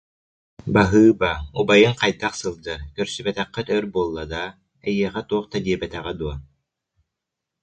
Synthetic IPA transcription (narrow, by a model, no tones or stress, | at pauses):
baɦɯːbaubajɯŋqɑjd̪aqsɯlˠd̪ɯkœɾsybɛt̪ɛqːɛt̪œɾbuɔlˠːad̪a | ɛjiɛχɛt̪uɔχt̪ad̪iɛbɛt̪ɛʁɛd̪uɔ